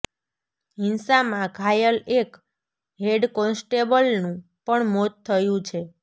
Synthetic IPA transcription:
ɦɪnsamãɡʱajəlek | ɦeɖkɔnsʈebəlnũ | pəɳmot̪ʰːəjũt͡ʃʰe

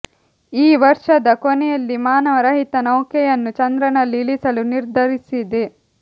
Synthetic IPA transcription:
iːʋɐɾʂɐd̪ɐkonɛjɐlːimaːnɐʋɐɾɐɦit̪ɐnɐwkɛjɐnːut͡ʃɐnd̪ɾɐnɐlːiːɭisɐluniɾd̪ʱɐɾisid̪e

